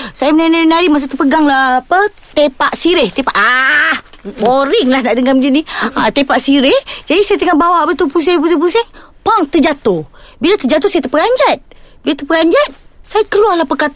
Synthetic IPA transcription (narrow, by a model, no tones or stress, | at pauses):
sajamənanainaɾimasut̪upəɡaŋlahpə | t̪epaʔsiɾɪht̪epaʔah | boɾɪŋlahnaʔdəŋamd͡ʒiniat̪epaʔsiɾɪhd͡ʒadisajat̪əŋabawaʔbət̪upus̬ebətupusɛŋ | paŋt̪əd͡ʒat̪obilat̪əd͡ʒat̪̬osajat̪əpəɡaɲd͡ʒat̪̚bilat̪əpəɡaɲd͡ʒat̪̚sajakəluarlahpəkat̪